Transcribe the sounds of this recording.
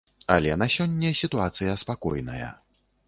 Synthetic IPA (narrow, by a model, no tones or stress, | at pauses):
ɐlʲɛnɐsʲɔnʲːɐsʲit̪uat̪sɨjɐspakɔ̰jnɐjɐ̰